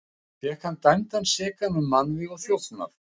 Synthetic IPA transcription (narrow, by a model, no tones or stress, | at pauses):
fɛhkʰant̪ajmt̪ansɪːkanʏmmːanːvɪɔɣθjow̪sna̰ɾ